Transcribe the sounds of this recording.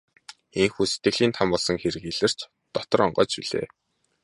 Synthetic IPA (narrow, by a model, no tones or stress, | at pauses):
eŋxuːset̪ɡɘ̆ɣɮiːnt̪ʰampɔɮsɞ̆ŋxeɾɘ̆keɮɘ̆r̥t͡ɕ | t̪ɔt̪ɞ̆ɾɔɴɢɔːt͡ɕpiɮḛː